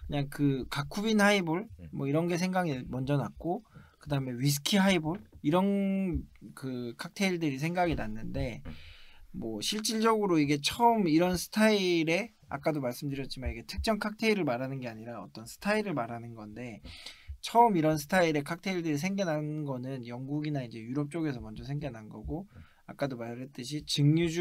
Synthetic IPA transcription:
kɯɲaŋkɯkakʰubinhaibuɭmwʌiɾʌnɡe̞s̬ʰeŋɡaɡimʌnd͡ʑʌnak̚k͈okɯdaɯme̞ɥis̬ʰɯ̥kʰiɦaibuɭiɾʌn | kɯkʰak̚tʰe̞iɭdɯɾis̬ʰe̞ŋɡaɡinanːɯnde̞ | mwʌɕʰiɭt͡ɕ͈iɭd͡ʑʌɡɯɾoiɡe̞t͡ɕʰʌɯmiɾʌnsʰɯ̥tʰaiɾe̞ | a̰k͈adomaɭs͈ɯmdɯɾjʌt̚t͡ɕ͈imaniɡe̞tʰɯk̚t͡ɕ͈ʌŋkʰak̚tʰe̞iɾɯɭmaɾɦanɯnɡe̞aɲiɾaʌ̰t͈ʌnsʰɯ̥tʰaiɾɯɭmaɾanɯnɡʌnde̞t͡ɕʰʌɯmiɾʌns̬ʰɯ̥tʰaiɾe̞kʰak̚tʰe̞iɭdɯɾis̬ʰe̞ŋɡʌnɦanɡʌnɯnjʌŋɡuɡinaind͡ʑe̞juɾʌp̚t͡ɕ͈oɡe̞sʰʌmʌnd͡ʑʌsʰe̞ŋɡenɦanɡʌɡo | ak͈adomaɾeɭt͈ɯɕʰit͡ɕɯŋɲud͡ʑ

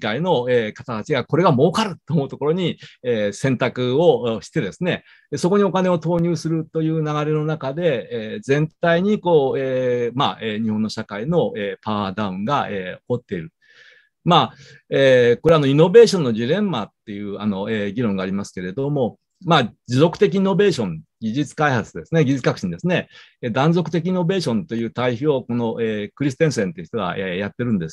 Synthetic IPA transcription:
kaino̞eːkat̪at̪at͡ɕiɡako̞ɾe̞ɡamo̞ːkaɾɯ̟t̪ːomoɯ̟t̪o̞koɾoɲ̟ieːsẽ̞nt̪akɯ̟oɕi̥t̪e̞d̪e̞sɨne̞ | so̞ko̞ɲ̟io̞kane̞o̞t̪o̞ːɲ̟ɨːsɨɾɯ̟t̪o̞jɯ̟ːnaɣaɾe̞no̞nakad̪e̞ːzẽ̞nt̪aiɲ̟iko̞ːemaeːɲ̟ihonːo̞ɕakaino̞epaad̪aɯ̟̃ŋɡaeoko̞t̪ːe̞iɾɯ̟ | maː | eːko̞ɾe̞ano̞ino̞be̞ːɕõ̞nːo̞d͡ʑiɾẽ̞mːat̪ːe̞jɯ̟ːano̞eːɡʲiɾõ̞ŋɡaːɾʲimasɨ̥ke̞ɾe̞d̪omo̞ | maːd͡ʑizo̞kɯ̟̥t̪e̞k̬ʲino̞be̞ːɕõ̞nɡʲiʑɨt͡sɨ̥kaihat͡sɨd̪e̞sɨne̞ɡʲiʑit͡sɨ̥kakɯ̟ɕĩɲd̪e̞sɨne̞d̪ãnzo̞kɯ̟t̪e̞k̬ʲino̞be̞ːɕõ̞nt̪o̞jɯ̟ːt̪aiçioko̞no̞ʔeːkɯ̟ɾʲis̬ɨ̥t̪ẽ̞ɰ̃sẽ̞nt̪eɯ̟çit̪oɡa̰ʔejat̪ːe̞ɾɯ̟̃nd̪e̞s

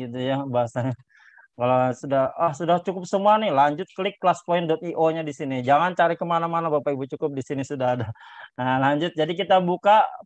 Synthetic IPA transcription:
ɡit̪ujabaɦasaɲa | kalasudahahsudaht͡ʃukʊp̚səmuanɪhlaɲd͡ʒʊt̪̚kəlɪk̚t̪laspɔɪndɔt̪̚iʔoɲadisinid͡ʒaŋant͡ʃaɾikəmanamanabapaibut͡ʃukʊp̚disinisudaɦadalaɲd͡ʒʊt̪̚d͡ʒadik̬it̪abuka

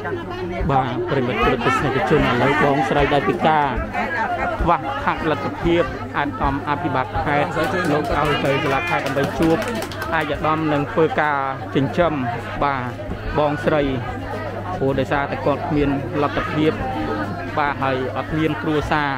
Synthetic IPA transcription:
ɓaːprɛmət̪̚plɨt̪̚ːisnekʰːat͡ɕʊ̆ənʔəːləwɓɑːŋsrəjɗaɛlpiəkaː | t̪ʰʋahpʰaʔ̚lɨt̪ʰːapʰiəp̚ | ʔaɛt̪̚ʔɑmʔapʰiɓɑt̪̚pʰaɛt̪̚loːk̚ʔaɔjt̪ɨwt̪ʰːlaːpʰaɛɗaəmɓəjt͡ɕuəp̚ | ʔaɛc̚ʔəɗɑmnɨŋt̪ʰʋəːkaːt͡ɕɨɲt͡ɕəm | ɓaː | ɓɑːŋsrəj | puəɗaɔjsaːt̪aɛkŏət̪̚kʰmiənlat̪ʰːapʰiəp̚ | ɓaːɦaəjʔɑt̪̚miənkruəsaː

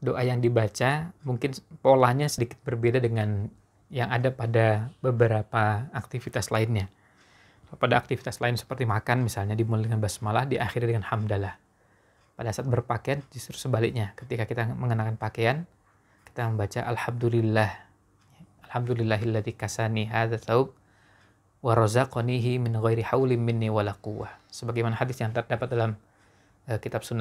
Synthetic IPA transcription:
doʔajaŋdibat͡ʃamuŋkɪnpolahɲasədikɪt̪̚bərbedadəŋan | jaŋadapadabəbəɾapaːk̚t̪ifit̪aslaɪnɲa | padaːk̚t̪ifi̥t̪aslaɪnsə̥pərt̪imakanmisalɲadimuldəŋanbasmalahdiʔaxɪrɲadəŋanhamdalah | padasaːt̪̚bərpakeand͡ʒust̪ɾu̥səbalɪk̚ɲakə̥t̪ikakit̪aməŋənakanpakean | ki̥t̪aməmbat͡ʃaʔalħam̚d̪ulɪlːah | alhamdulɪlːaɦalːaðikasaniɦaðaθawb̚ | waɾˤɑzaqɔniɦɪmɪnɣajɾiħawlɪmmɪnːiwalaquwːahsəbaɡajmanahadɪsjaŋt̪ərdapat̪̚dalam | əkit̪absunːa

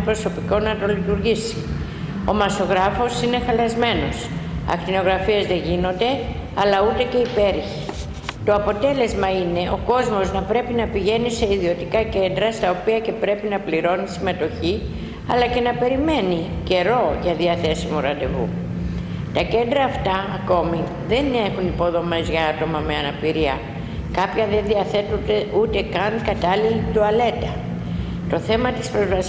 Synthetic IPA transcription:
pɾo̞so̞piko̞nɐt̪o̞lit̪uɾʝisi̥ | o̞̰mɐso̞ɣɾɐfo̞sine̞xɐlɐzme̞no̞sɐ̰kt̪ino̞ɣɾɐfiɐzðe̞ʝino̞nd̪e̞ | ɐlɐut̪e̞ce̞ipe̞ɾçi̥ | t̪o̞ɐpo̞t̪e̞le̞zmɐine̞o̞ko̞zmo̞znɐpɾe̞pinɐpiʝe̞nise̞iðio̞t̪ikɐce̞nd̪ɾɐst̪ɐo̞piɐcepɾe̞pinɐpliɾo̞nisime̞t̪o̞çi | ɐlɐce̞nɐpe̞ɾime̞nice̞ɾo̞ʝɐðiɐθe̞simuɾɐnd̪e̞̰ɣṵ | t̪ɐce̞nd̪ɾɐːft̪ɐːko̞mi | ðe̞ne̞xunipo̞ðo̞me̞zʝɐɐt̪o̞mɐme̞ɐnɐpiɾiɐ | kɐpçɐðe̞nðiɐθe̞t̪und̪eut̪e̞kɐŋkɐt̪ɐlilid̪uɐle̞t̪ɐ | t̪o̞θe̞mɐt̪ispɾo̞zvɐs

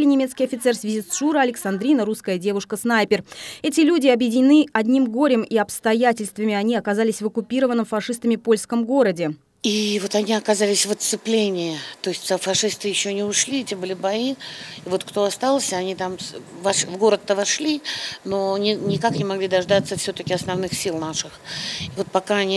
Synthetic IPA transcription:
lʲɪnʲɪmʲeskʲɪjɐfʲɪt̪sɛrsvʲɪzʲisʂuɾəɐlʲɪksɐnd̪ɾʲinəɾuskəjədʲe̞vʊʂkəsnajpʲɪrɛt̬ʲɪlʲudʲɪɐbjɪdʲɪnʲɪnɨɐdʲnʲimɡo̞ɾʲɪmiɐpst̪ɐjætʲɪlʲst̪vəmʲɪɐnʲiɐkɐzalʲɪsʲvəkʊpʲiɾəvənːəmfɐʂɨst̪əmʲɪpo̞lʲskəmɡo̞ɾədʲɪ | ivo̞t̪ɐnʲiɐkɐzalʲɪsʲvət̪sɨplʲenʲɪɪt̪o̞ɪsʲtʲzəfɐʂɨst̪ɨjɪɕːonʲɪʊʂlʲietʲebɨlʲɪbɐiɪvot̪kt̪o̞ɐst̪alˠsʲɐnʲit̪amvɐʂvɡo̞ɾət̪ːəvɐʂlʲinonʲɪnʲɪkaknʲɪmɐɡlʲid̪ɐʐd̪at̪səfsʲot̪əkʲɪɐsnɐvnɨxsʲilˠnaʂɨxɪvo̞t̪̚pɐkanʲi

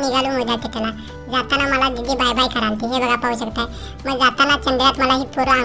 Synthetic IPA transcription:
niɡalumod̪ʱjak̪iʈ̪ela | d͡zat̪anaməlaɡiɡ̪ibajbajkəɾãnt̪iɦebəɡapauɕəkt̪aɛ | məɡd͡zat̪anat͡ɕəmbijat̪məlaɦiːpuɾə

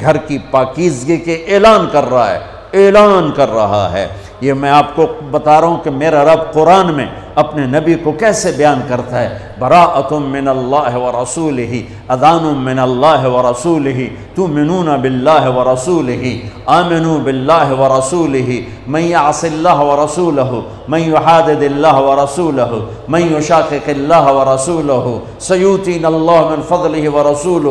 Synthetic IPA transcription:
ɡʱɐɾkipaːkiːzɡikeʔeːlaːnkɐɾːɐɦa̰ɦɛ̰ː | eːlaːnkɐɾːɐɦa̰ɦɛ̰ː | jemɛ̃aːpkobɐt̪aːɾɐɦũkemeːɾaɾɐbqʊɾaːnmḛ̃ | ɐpnenɐbikokɛːsebɐjaːnkɐɾt̪aɦɛ | bɐɾaːʔɐt̪ʊmːɪnɐlːaːɦɪʋɐɾɐsuːlɪɦi | ɐd̪aːnʊ̃mɪnɐlːaːɦɪwɐɾɐsuːlɪɦi | t̪ʊmɪnuːnabɪlːaːɦɪwɐɾɑsuːlɪɦiaːmɪnuːbɪlːaːɦwɐɾˤɑsuːlɪɦi | mɪnjaʕsɪlːaːɦwɐɾɐsuːlɐɦʊ | mɐnjʊħaːd̪ɪd̪ɪlːaːɦwɐɾˤɑsuːlɐɦʊ | mɪ̃njʊʃaːqɪqɪlːaːɦwɐɾˤɑsuːlɐɦʊ | sɐjuːt̪iːnɐlːaːɦmɪnfɐd̪ˤlɪɦɪwɐɾˤɑsuːlʊ

